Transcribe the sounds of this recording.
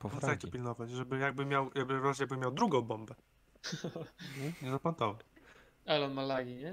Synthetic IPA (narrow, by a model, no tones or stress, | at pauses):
pɔakt͡ɕ̪ɛpʲilnɔvat͡ɕʐɛbɘjaɡ̚bɘmʲjawjaɡbɘvajaɡ̚bɘmʲjawd̪ɾuɡɔ̃w̃bɔ̃mbɛ | ɲɛɲɛzapant̪ɔvat͡ɕ | alɛɔnmalaɡʲiɲɛ